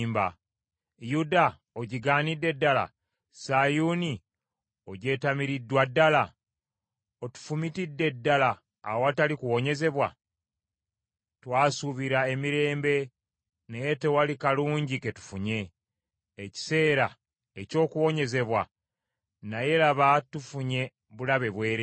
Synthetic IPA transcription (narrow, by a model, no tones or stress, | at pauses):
mba̰ | juda | oɟiɡaːnidːe̞dːala̰ | sajuni | o̞ɟe̞ːtamiɾidːwadːala | o̞tu̥fumitidːe̞dːala̰ː | owatalikuwo̞ɲe̞ze̞βwa | twaːsuβiɾae̞miɾe̞ːmbe̞ | nejete̞walikaluːɲɟike̞tu̥fuɲe̞ː | ci̥se̞ːɾa | eco̞ːkuwo̞ɲe̞ze̞βwa | naje̞laβatufuɲe̞ | βulaβe̞βwe̞ːɾe